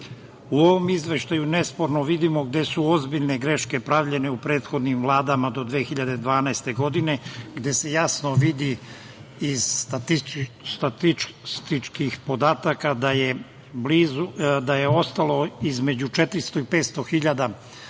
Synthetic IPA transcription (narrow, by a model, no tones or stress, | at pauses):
uo̞ʋo̞mizʋe̞ʃt̪ajune̞spo̞ɾnoʋid̪imo̞ɡ̚d̪e̞suo̞zbiʎne̞ɡɾe̞ʃke̞pɾaʋʎe̞ne̞upɾe̞ːt̪xo̞d̪nimvlˠaːd̪amad̪o̞d̪ʋeːxiʎad̪e̞d̪ʋaːnaest̪e̞ɡo̞d̪ine̞ɡd̪e̞se̞jasnoʋid̪i | iz̥t̪at̪it̪at̪ist̪it͡ʃkixpo̞d̪aːt̪akad̪aje | bliːzud̪ajeo̞st̪alo̞izme̞d͡ʑut͡ʃet̪ɾist̪o̞ipet̪st̪o̞xiʎad̪a